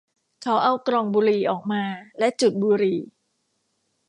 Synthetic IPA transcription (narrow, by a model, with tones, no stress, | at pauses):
kʰa˦˥wʔa˧˩wkɾɔː˧ŋbuː˧ɾiː˨˩ʔɔː˨˩k̚maː˧lɛ˦˥ʔt͡ɕu˨˩t̪̚buː˧ɾiː˨˩